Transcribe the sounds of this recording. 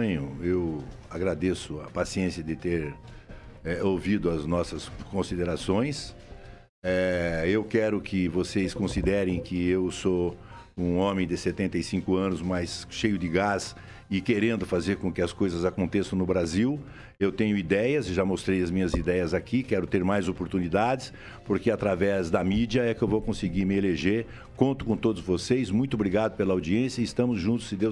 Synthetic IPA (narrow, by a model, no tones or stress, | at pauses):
ɲʊew | aɡɾad̪esʊɐpasiẽsiɐd̪ɪt̪eɾ | ɛowvid̪ʊɐznɔsɐskõsid̪eɾasõj̃s | ɛewkɛɾʊkʰɪvosejskõsid̪ɛɾẽj̃kʰɪewso | ũõmẽj̃d̪ɪset̪ẽnt̪ejsĩkʊɐ̃nʊzmajsʃejʊd̪ɪɡas | ɪkeɾẽnd̪ʊfazeɾkõkɪɐskojzɐzakõnt̪esɐ̃w̃nʊbɾaziw | ewt̪ẽɲʊid̪ɛjɐzʒamost̪ɾejɐzmĩɲɐzid̪ɛjɐzakikɛɾʊt̪eɾmajzopoɾt̪unid̪ad̪ɪs | poɾkɪat̪ɾavɛzd̪ɐmid͡ʒiɐɛkɪewvowkõsɪɡiɾmɪeleʒeɾ | kõnt̪ʊ̥kõt̪od̪ʊzvosezmũj̃t̪ʊobɾiɡad̪ʊpelɐawd͡ʒiẽsjɐɪɪst̪ɐ̃mʊzʒũnt̪ʊ̥sɪd̪ew